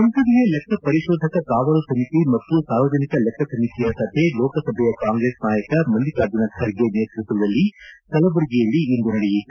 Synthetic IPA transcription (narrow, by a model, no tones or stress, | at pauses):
kɐnsɐd̪iɡelɛkʰːɐpɐɾiʃɔːd̪ʱɐkɐkaːʋɐlusɐmit̪imɐt̪ːusaːɾʋɐd͡ʒɐnikɐlɛkʰːɐsɐmit̪ijɐsɐbʱelɔːkɐsɐbʱɛjɐkaːŋɡɾeːsnaːjɐkɐmɐnd̪ikaːd̪ɐnɐkʰɐɾɡeneːt̪ɾɐsɐʋɐd̪ɐlːisɐlɐbɐɾiɡijɐɭːiːnd̪unɐɽɛjit̪ːu